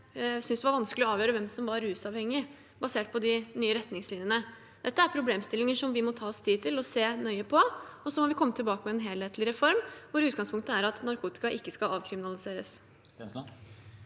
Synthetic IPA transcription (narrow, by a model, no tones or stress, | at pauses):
sʏnsd̪ɛʋɑɾʋɑnsklɪɔɑːʋjøːɾəʋɛmsɔmʋɑɾʉːsɑʋhɛŋːɪ | bɑseːʈ̚pʰɔd̪ɪnyːəɾɛt̪ːnɪŋslɪnjənə | d̪̥ɛt̪ːəæɾpʰɾʊbleːmst̪ɪlɪŋəʂɔmʋɪmɔt̪ʰɑːɔst̪ʰiːd̪̚t̪ʰɪlɔseːnœʏəpʰɔɔsɔmɔʋɪkʰɔmːət̪ʰɪlbɑːkəmɛɛnɦeːlheːt̪ʰlɪɾɛfɔɾmʋʊɾʉːt̪̚ɡɑŋspʊŋk̚t̪əæɾɑt̪nɑɾkʰuːt̪ɪ̥kɑʔɪkːəskɑlʔɑːʋkʰɾɪmɪnɑlɪseːɾəs